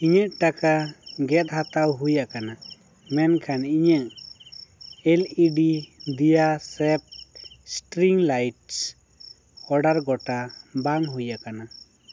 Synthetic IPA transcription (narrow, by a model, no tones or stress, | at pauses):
iɲəʔʈakaɡɛt̪̚hat̪awɦujaʔkana | mɛnkʰaniɲəʔ | ɛliɖid̪ijasɛp̚sʈɾiŋlajʈs | ɔɖaɾɡɔʈabaŋɦujakana